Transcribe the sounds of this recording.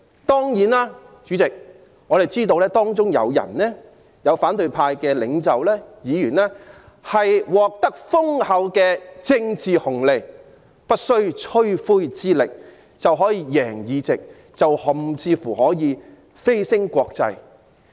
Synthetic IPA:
t̪ɔː˥ŋjiː˨˥naː˥ | t͡ʃyː˨˥t͡sɪ˨k̚ | ŋɔː˨˧ɾe˨jt͡siː˥t̪o˧wlɛː˥t̪ɔː˥ŋt͡ʃʊ˥ŋjɐ̰˨˧wjɐ̰˨˩nlɛː˥ | jɐ˨˧wfaː˨˥nt̪ɵ˨ɥpʰaː˧jkɛː˧lɪ˨˧˥ŋt͡sɐ˨wlɛː˥jiː˨˧jyː˨˩nlɛː˥ | hɐ˨jwɔː˨k̚t̪ɐ˥k̚fʊ˥ŋhɐ˨˥wkɛː˧t͡sɪ˧ŋt͡siː˨hʊ˨˩ŋle˨˧j | pɐ˥t̚sɵ˥ɥt͡ʃʰɵ˥ɥfuː˥jt͡siː˥lɪ̰˨k̚ | t͡sɐ˨wɦɔː˨˥jiː˧jɛː˨˩ŋjiː˨˧t͡sɪ˨k̚ | t͡sɐ˨whʊ˨mt͡sʰiː˧fuː˨˩hɔː˨˥jiː˨˧ | fe˥jsɪ˥ŋkʷɔː˧k̚t͡sɐ̰˧j

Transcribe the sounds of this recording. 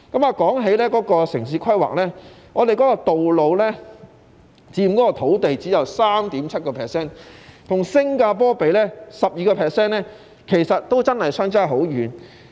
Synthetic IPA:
kɐ˨˥maː˨˧kɔː˨˥ŋɦe˨˥jlɛː˥kɔː˨˥kɔː˧sɪ˨˩ŋsiː˨˥kʰɐ˥jwa̰ː˨k̚lɛː˥ | ŋɔː˨˧t̪e˨jkɔː˨˥kɔː˧t̪o˨wlo˨˧wlɛː˥ | t͡siː˧˨kɔː˨˦˥kɔ˧t̪ʰo˨˥wt̪e˨jt͡siː˨˥jɐ˨wsaː˥mt̪iː˨˥mt͡sʰɐ˥t̚kɔː˧pʰɛː˨˩ksɛː˥nt̪ʰʊ˨˩ŋsɪ˥ŋkaː˧pɔː˥pe˨˧jlɛː˥sɐ˨p̚jiː˨˧kɔː˧pʰɛː˨ksɛː˥nlɛː˥ | kʰe˨˩jsɐ˨t̚t̪o˥wt͡sɐ˥nhɐ˨jsœː˥ŋt͡saː˥ɦo˨˥wɥyː˨˧n

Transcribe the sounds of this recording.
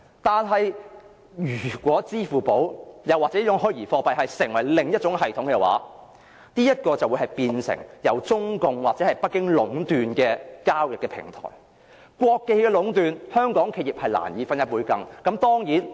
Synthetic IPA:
t̪aː˨nɦɐ˨j | jyː˨˩kʷɔː˨˥t͡siː˥fuː˨˩po˨˥wjɐ˨wːaː˨k̚t͡sɛː˨˧˥i˥ʊ˨˥ŋɦɵ˥jjiː˨˩fɔː˧pɐ˨jɦɐ˨jsɪ˨˩ŋwɐ˨˩jlɪ˨ŋjɐ˥t̚t͡ʃʊ˨˥ŋɦɐ˨jt̪ʰʊ˨˥ŋkɛ˧wa̰ː˨˥ | niː˥jɐ˥t̚kɔː˧t͡sɐ˨wuː˨˧jɦɐ˨jpiː˧nsɪ̰˨˩ŋjɐ˨˩wt͡sʊ˥ŋkʊ˨˧ŋwaː˨k̚t͡sɛː˨˧hɐ˨jpɐ˥t̚kːɪ˥ŋlʊ˨˥ŋt̪yː˨nkɛː˧kaː˥wjɪ˨kːɛ˧pʰɪ̰˨˩ŋt̪ʰɔ̰ː˨˩j | kʷɔː˧kːe˧jkɛː˧lʊ˨˥ŋt̪yː˨nhœː˥ŋkɔː˨˥ŋkʰe˧jiː˨p̚hɐ˨jla̰ː˨˩njiː˨˥fɐ˥njɐ˥t̚pːwuː˨˥jkɐ˧ŋkɐ˨˥mt̪ɔː˥ŋjiː˨˥n

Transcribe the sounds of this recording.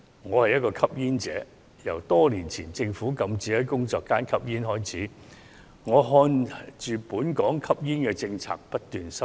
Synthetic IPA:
ŋɔː˨˧hɐ˨jːɐ˥t̚kɔː˧kʰɐ˥p̚jiː˥nt͡sɛː˨˥ | jɐ̰˨˩wt̪ɔː˥liː˨˩nt͡sʰiː˨˩nt͡sɪ˧ŋfuː˨˥kɐ˧mt͡siː˨˥hɐ˨˥jkʊ˥ŋt͡sɔː˧k̚kːaː˥nkʰɐ˥p̚jiː˥nɦɔː˥jt͡sʰiː˨˥ | ŋɔː˨˧ɦɔː˧nt͡ʃyː˨puː˨˥nkɔː˨˥ŋkʰɐ˥p̚jiː˥nkɛ˧t͡sɪ˧ŋt͡sʰa̰ː˧k̚pɐ˥t̚t̪yː˨nsɐ˥

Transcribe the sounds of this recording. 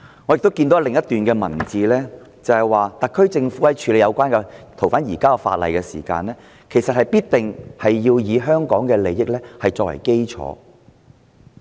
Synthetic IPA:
ŋɔ˨˧jk̚t̪o˥wkiː˧nt̪o˨˥lɪ˨ŋjɐ˥t̪yː˨nkɛː˧mɐ̰˨˩nt͡siː˨˧lɛː˥ | t͡sɐ˨˧hɐ˨jwaː˨t̪ɐ˨kʰːɵ˥ɥt͡sɪ˧ŋfuː˨˥lɐ˨˥jt͡ʃʰyː˨˧le˨˧jɐ˨˧wkʷwaː˥nkɛ˧t̪ʰo˨˩wfaː˨˥njiː˨˩kaː˥ɔ˧fa̰ː˧t̚lɐ̰˨jkɛː˧sḭː˨˩ka̰ː˧nlɛː˥ | kʰe˨˩jsɐ˨t̚hɐ˨jpiː˥t̚t̪ɪ˨ŋhɐ˨jːiː˧wjiː˨˧ɦœː˥ŋkɔː˨˥ŋkɛː˧le˨˧jːɪ˥k̚lɛː˥hɐ˨jt͡sɔː˧k̚wɐ̰˨˩jke˥jt͡ʃʰɔ̰ː˨˧˦

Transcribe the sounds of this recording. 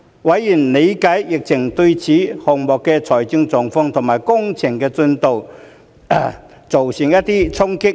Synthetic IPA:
wa˨˥jiː˨˩nle˨˧jkaː˨˥jːɪ˨k̚t͡sʰɪ˨˩ŋt̪ɵ˧t͡sʰiː˨˥hɔ˨˩ŋmɔː˨kːɛ˧t͡sʰɔː˨˩jt͡si˧˥ŋt͡sɔː˨˩ŋfɔː˧˥ŋt̪ʰʊ˨˩ŋmaː˨˩jkʊ˥ŋt͡sʰɪ˨˩ŋkɛː˧t͡sɵ˧nt̪o˨w | t͡so˨wsi˨˩ŋjɐ˥t̪̚iː˥t͡sʰʊ˥ŋkɪ˥k̚

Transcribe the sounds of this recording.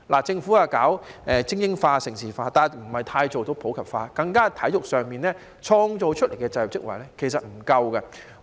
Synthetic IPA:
la̰ː˨˩t͡sɪ˧ŋfuː˨˥aː˨kaː˨˥wʔɛː˨˧t͡sɪ˥ŋjɪ˥ŋfaː˧sɪ˨˩ŋsiː˨˩faː˧t̪aː˨nm̩˨˩hɐ˨jt̪ʰaː˧jt͡so˨wt̪o˨˥wpʰo˨˥wkʰɐ˨˩p̚faː˧kɐ˧ŋkaː˥t̪ʰɐ˨˥jʊ˨k̚sœː˨ŋmiː˨nɛː˥ | t͡ʃʰɔː˧ŋt͡so˨˧wt͡ʃʰt̚le˨˩jkɛː˧t͡sɐ˧j̚t͡sɪ˥k̚wɐ̰˨˩jlɛː˥kʰe˨˩js̬ɐ˨t̚m̩˨˩kɐ˧wkɐ˧

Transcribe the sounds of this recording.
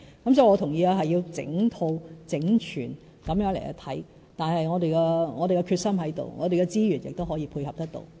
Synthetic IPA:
kɐ˨˥msɔː˨˥˧ŋɔː˨˧t̪ʰʊ˨˩ŋjiː˨˧aː˧ɦɐ˨jːiː˧wt͡sɪ̰˨˥ŋt̪ʰo˧wt͡sɪ˨˥ŋt͡ʃʰy̰ː˨˩n | kɐ˨˥mjœː˨˥ŋle˨˩kɐ̰˧t̪ʰɐ˨˥j | t̪aː˨nhɐ˨jŋɔː˨˧t̪e˨jkɛ˧ŋɔː˨˧ɾe˨kɛ˧kʰyː˧t̚sɐ˥mɦɐ˨˥jt̪o̰˨˩wŋɔ̰ː˨˧ɾe˨kɛ˧t͡siː˥jyː˨˩njɪ˨k̚t̪o˥wɦɔː˨˥jiː˨˧˥pʰuː˧jhɐ˨p̚t̪ɐ˥k̚t̪o̰˨˧w

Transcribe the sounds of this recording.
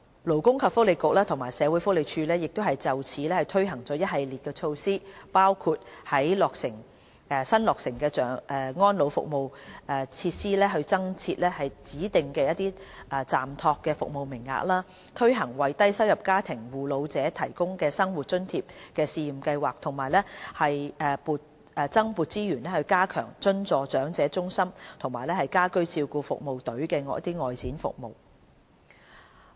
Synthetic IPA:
lo˨˩wkʊ˥ŋkʰɐ˨p̚fʊ˥k̚le˨˧jkʊ˨k̚laː˥t̪ʰʊ˨˩ŋmaː˨˩jsɛː˨˧wuː˨˥jfʊ˥le˨˧jt͡ʃʰyː˧lɛː˥jɪ˨k̚t̪o˥hɐ˨jt͡sɐ˨wt͡sʰiː˨˥lɛː˥hɐ˨jt̪ʰɵ˥ɥɦɐ˨˩ŋt͡sɔː˨˥jɐ˥t̚ɦɐ˨jliː˨˩t̚kɛː˧t͡ʃʰo˧wsiː˥paː˥wkʰuː˧t̚hɐ˨˥jlɔː˨k̚sɪ˨˩ŋ | ɛ˨˧sɐ˥nlɔː˨ksɪ˨˩ŋkɛː˧t͡sœː˨˩ŋʔɛ˧ŋɔː˥nlo˨˧wfʊ̰˨k̚mo˨˧wɛː˨˩t͡sʰiː˧t̚siː˥lɛː˥ɦɵ˧ɥt͡sɐ˥ŋt͡sʰiː˧t̚lɛː˥hɐ˨jt͡siː˨˥t̪ɪ˨ŋkɛː˧jɐ˥t̚t̪iː˥ʔɛ˨˧t͡saː˨˩mt̪ʰɔː˧kːɛː˧fʊ˨k̚mo˨wmɪ˨˩ŋːa̰ː˨k̚laː˥ | t̪ʰɵ˥ɥɦɐ˨˩ŋwɐ˨jt̪ɐ˥jsɐ˥wjɐ˨p̚kaː˥t̪ʰɪ˨˩ŋwuː˨˩lo˨˧wt͡sɛː˨˥t̪ʰɐ˨˩jkʊ˥ŋkɛː˧sɐ˥ŋwu˨t̚t͡ʃɵ˥nt̪ʰiː˧p̚kɛː˧siː˧ji˨˩mkɐ˧jwaː˨˩k̚t̪ʰʊ˨˩ŋmaː˨˩jlɛː˥hɐ˨jɛː˨˧puː˨˧t̚ | ɛː˨˧t͡sɐ˥ŋpuː˨˧t̚t͡siː˥jyː˨˩nlɛː˥hɵ˧ɥkaː˥kʰœ̰ː˨˩ŋt͡ʃɵ˥nt͡sɔː˨˧t͡ʃœː˨˥ŋt͡sɛː˨˥t͡ʃʊ˥ŋsɐ˥mt̪ʰʊ˨˩ŋmaː˨˩jlɛː˥hɐ˨jkaː˥kɵ˥ɥt͡siː˧wkuː˧fʊ̰˨k̚mo˨wt̪ɵ˨˥ɥkɛː˧ŋɔ̰ː˨˧˥ɐ˥t̪iː˥ŋɔː˨jt͡sʰiː˨˥nfʊ̰˨k̚mo̰˨w

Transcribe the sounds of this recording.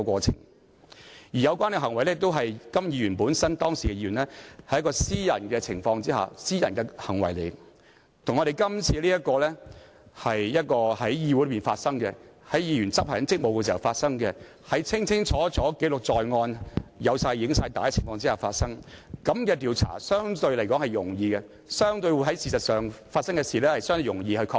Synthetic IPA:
kʷɔː˧t͡sʰɪ̰˨˩ŋ | jiː˨˩jɐ˨˧wkʷwaː˥nkɛ˧ɦɐ˨˩ŋwɐ˨˩jlɛː˥t̪o˥wɦɐ˨jkɐ˥mjiː˨˧ɥyː˨˩npuː˨˥nsɐ˥nt̪ɔː˥ŋsiː˨kɛ˧jiː˧jyː˨˩nlɛ˥hɐ˨˩jɐ˥kɔː˧siː˥jɐ˨˩nkɛː˧t͡sʰɪ̰˨˩ŋfɔː˧ŋt͡siː˥ha̰ː˨˩siː˥jɐ˨nkɛ˧hɐ˨˩ŋwɐ˨˩jle˨˦ | t̪ʰŋɔ˨˧ɾe˨jkɐ˥mt͡sʰiː˨˧liː˥jɐ˥t̚kɔː˧lɛ˥ | hɐ˨jjɐ˥t̚kɔː˧hɐ˨˥jjiː˧wu˧˥lpiː˨˩nfaː˧t̚sɐ˥ŋkɛ˧hɐ˨˥jjiː˨˧jɥyː˨˩nt͡sɐ˥p̚haː˨˩ɐ˨˥nt͡sɪ˥k̚mo˨wkɛ˧siː˨˩ɐ˨wfaː˧t̚sɐ˥ŋkɛ˧ | hɐ˨˧jt͡sʰɪ˥ŋt͡sʰɪ˥ŋt͡sʰɔː˨˥t͡sɔː˨˥ke˨˥lʊ˨k̚t͡sɔː˨jŋɔː˧njɐ˨˧wsaː˧jɪ˧˥ŋsaː˧jt̪aː˨jt͡sʰɪ˨˩ŋfɔː˧ŋt͡si˥aː˨faː˧t̚sɐ˥ŋkɐ˨˥mkɛː˧t̪iː˨˧wt͡sʰa̰ː˨˩sœː˥ŋt̪ɵ˧ɥlɐ˨˩jkɔː˨˥ŋhɐ˨jjʊ˨˩ŋjiː˧ɡɛ˧ | sœː˥ŋt̪ɵ˧ɥwu˧ɦɐ˨˥jsiː˨˩sɐ˨t̚sœː˨ŋfaː˧t̚sɐ˥ŋkɛ˧siː˨˩lɛː˥hɐ˨jsœː˥ŋt̪ɵ˧jʊ˨˩ŋjiː˧hɵ˧ɥkʰɔː˧k̚

